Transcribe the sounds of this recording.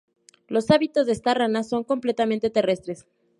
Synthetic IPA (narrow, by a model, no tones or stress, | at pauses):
lo̞saβit̪o̞zðeest̪aranaso̞ŋko̞mple̞t̪ament̪e̞t̪e̞re̞st̪ɾes